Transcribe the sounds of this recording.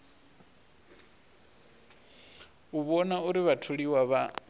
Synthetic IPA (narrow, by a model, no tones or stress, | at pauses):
uβɔnauɾiβatʰuɺiwaβa